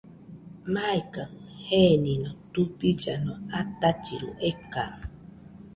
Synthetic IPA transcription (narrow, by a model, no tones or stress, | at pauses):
maikaŋheninot̪upid͡ʒanoat̪at͡ʃḭɾṵʔeka